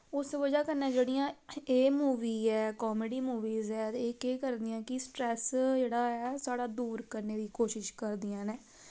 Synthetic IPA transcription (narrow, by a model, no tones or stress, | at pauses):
ʊsʋəd͡ʒaːkəɾnẽːd͡ʒeːɽijãːeːmuːʋiːɛːkɔːmeɖiːmuːʋiːzɛːeːkeːkəɾd̪ɪjãːkɪsʈɾɛːsd͡ʒeːɽaːɛːsaːɽaːd̪uːɾkəɾneːd̪iːkoːʃɪʃkəɾd̪ijãːnɛː